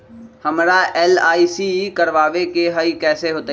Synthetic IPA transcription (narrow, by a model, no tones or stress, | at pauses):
hɐmɾaɛːlaːisikɐɾʋaːʋekeɦɐikɛːseɦoːt̪a